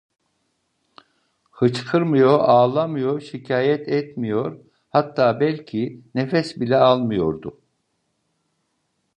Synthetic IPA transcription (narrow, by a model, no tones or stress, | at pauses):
hɯt͡ʃkʰɯɾmɯjo̞ʔaːlˠamɯjoʃicʰaːjɛt̪ʰɛt̪mijo̞ɾ | hat̪ʰːaːbɛlʲcʰinefɛsbilʲɛalˠmɯjo̞ɾd̪ʊ